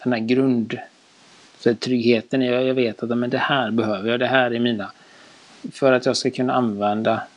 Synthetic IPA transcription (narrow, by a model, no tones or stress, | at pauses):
d̪̥ɛnhæːɾɡɾɵnd̪ | sɛt̪ʰɾʏɡheːt̪ənɛjjɑveːt̪at̪ːæmɛnd̪ɛhæːɾbɛɦøːvəɾjɑːd̪ɛɦæːɾæɾmiːna | fœɾat̪jɑːɡskakʰɵnːaanvɛnd̪a